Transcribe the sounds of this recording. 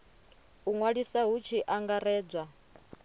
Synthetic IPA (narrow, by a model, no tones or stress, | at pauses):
uŋwaɺisaɦut͡ʃʰiʔaŋɡaɾɛːd͡zwa